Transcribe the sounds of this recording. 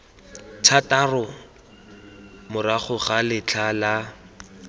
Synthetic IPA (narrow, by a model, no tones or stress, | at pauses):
tʰatarɔ | mʊraχʊχalɪt͡ɬʰala